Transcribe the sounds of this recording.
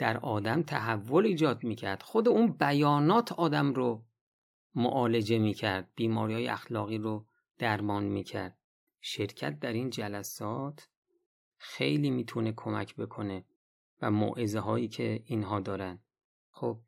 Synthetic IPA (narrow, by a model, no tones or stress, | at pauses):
d̪̥æɾɒːd̪æmt̪ʰæɦævːo̞liːd͡ʒɒːd̪̚miːcʰæɾd̪̥xod̪e̞unbæjɒːnɒːt̪ʰɒːd̪æmɾo | mo̰ʔɒːle̞d͡ʒe̞miːcʰæɾd̪̥̚biːmɒːɾiːɒːjḛæxlɒːɣiːɾo | d̪̥æɾmɒːnmiːcʰæ̰ɾd̪̥̚ | ʃe̞ɾcʰæ̰t̪̚d̪æɾind͡ʒælæsɒːt̪ʰ | xe̞̰jliːmiːt̪ʰune̞kʰo̞mæ̰cʰbe̞kʰo̞ne̞ | væmo̰ːʔezeɦɒːjiːcʰe̞iːnɦɒːd̪ɒːɾæn | xob̥̚